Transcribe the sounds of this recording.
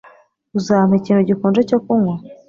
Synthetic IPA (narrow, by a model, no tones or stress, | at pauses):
uzamheciːnthuɟikuːnd͡ʒecokuŋwa